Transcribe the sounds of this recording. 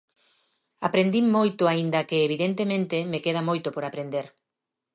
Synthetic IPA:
apɾend̪imːojt̪ʊaind̪ɐkeːβ̞iðent̪emẽnt̪emekeð̞amojt̪opoɾapɾend̪eɾ

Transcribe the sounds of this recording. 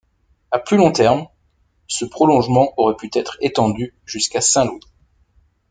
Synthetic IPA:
aplylɔ̃t̪ɛʁm | səpχɔlɔ̃ʒmɑ̃ʔɔʁɛpyt̪ɛt̪χet̪ɑ̃d̪y | ʒyskasɛ̃lwi

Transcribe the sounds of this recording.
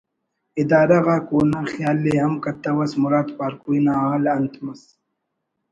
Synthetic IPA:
id̪aːɾɐɣaːkoːnaxjaːlːeɦɐmkɐt̪ːɐwɐsmuɾaːt̪paːɾkujnaːaːlɐnt̪mɐs

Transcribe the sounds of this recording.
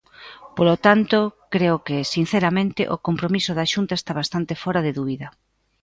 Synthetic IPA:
polot̪ant̪okɾeokesin̟θeɾamẽnt̪ɪ̰ʔokompɾomisoðaʃunt̪aest̪aβast̪ant̪ɪfɔɾaðeðuβiðɐ

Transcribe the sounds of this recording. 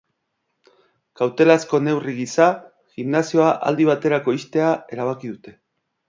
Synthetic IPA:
kawt̪e̞lasko̞ne̞wriɣisa | ɣimnasio̞aʔa̰ld̪iβ̞at̪e̞ɾako̞ist̪e̞ae̞ɾaβ̞akiðut̪e̞

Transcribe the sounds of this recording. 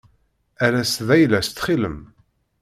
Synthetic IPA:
æɾæsðæjlæst̪ːχiləm

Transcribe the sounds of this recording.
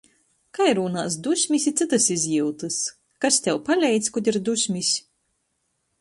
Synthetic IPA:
kajɾuːnaːs̬d̪usʲmʲisʲit̪sɨt̪ɨsizʲjiwt̪ɨs | kast̪ʲɛwpalʲɛjt̪skɔd̪ʲiɾd̪uʃʲmʲisʲ

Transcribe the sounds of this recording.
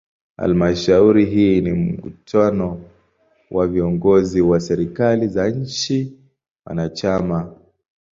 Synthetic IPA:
ha̰lmaʃauɾiɦiːnim̩kṵtanɔ | wʔaviɔŋɡɔziwasɛɾikalizaɲ̩t͡ʃi | wa̰nat͡ʃama

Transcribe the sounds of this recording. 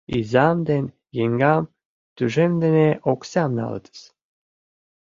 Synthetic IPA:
izɑmd̪enʲ | jeŋɡɑm | t̪yʒemd̪eneʔoksɑmnɑ̰l̰t̪ə̥s

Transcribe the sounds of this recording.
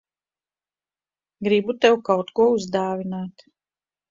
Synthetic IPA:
ɡɾibut̪ɛwkawt̪kuɔuzd̪aːvʲinaːt̪

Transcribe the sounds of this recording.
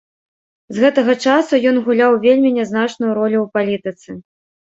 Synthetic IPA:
zɣɛt̪ɐɣɐt͡ʂasujɔnɣulʲawvʲelʲmʲinʲɛznat͡ʂnujuɾɔlʲuwpalʲit̪ɨt̪sɨ

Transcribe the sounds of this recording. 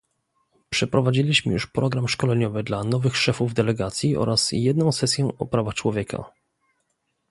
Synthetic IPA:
pʂɛpɾɔvad͡ʑilʲiɕmɘ̰jṵʂpɾɔɡɾamʂkɔlɛɲɔvɘd̪lanɔvɘxʂɛfuvd̪ɛlɛɡat̪sʲjiʔɔ̰ɾasjɛd̪̚nɔ̃w̃sɛsʲjɛɔ̰pɾavaxt͡ʂwɔvʲjɛkʰa̰

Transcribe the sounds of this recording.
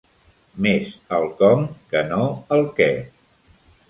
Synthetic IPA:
mezəlˠkɔmkənoəlˠkɛ

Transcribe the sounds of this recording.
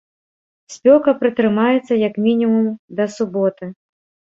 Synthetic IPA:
sʲpʲɔkɐpɾɨt̪ɾɨmajɛt̪sːɐjɐkmʲinʲimumd̪ɐsubɔt̪ɨ

